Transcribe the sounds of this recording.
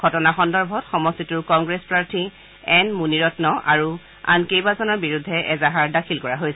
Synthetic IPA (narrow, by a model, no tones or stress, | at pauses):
ɡʱɔtɔnaxɔndɔɹbʱɔtxɔmɔstituɹkɔŋɡɹespɹaɹtʰi | ɛnmuniɹɔtnɔʔaɹu | a̰nkejbazɔnɔɹbiɹudʱːɛʔɛzaɦaɹdakʰilkɔɹaɦojsɛ